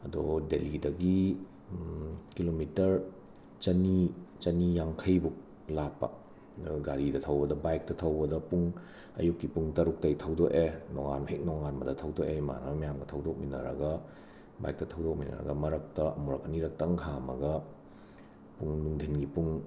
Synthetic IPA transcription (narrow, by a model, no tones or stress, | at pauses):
ɐdɔdelidɐɡi | kilomitɐɾ | t͡ʃɐnit͡ʃɐnijaŋkʰɐjbuk̚ | lapːɐ̰ | ɡaɾidɐtʰɐwbɐdɐbajk̚tɐtʰɐwbɐdɐpuŋ | ɐ̰jukːipuŋtɐɾuk̚tɐjtʰɐwdɔkenɔŋa̰nɐhek̚nɔŋanbɐdɐtʰɐwdokema̰nɐmɐmɐjamɡɐtʰɐwdɔk̚minɐ̰ɾɐ̰ɡɐ | ba̰jk̚tɐtʰɐwdɔk̚minɐ̰ɾɐ̰ɡɐmɐɾɐk̚tɐɐmuɾɐk̚ɐniɾɐk̚tɐŋhʰamɐ̰ɡɐ | puŋnuŋdʰʱinɡipuŋ